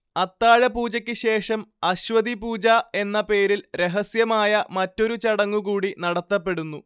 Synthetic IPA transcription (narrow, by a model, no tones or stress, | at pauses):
ɐt̪ːaːɻɐpuːd͡ʑɐkʲːɨɕe̞ːʂɐmɐɕʋɐd̪ipuːd͡ʑɐe̞nːɐpe̞ːɾilɾe̞ɦɐsjɐmaːjɐmɐtːo̞ɾut͡ɕɐɽɐŋːukuːɽinɐɽɐt̪ːɐpːe̞ɽunːu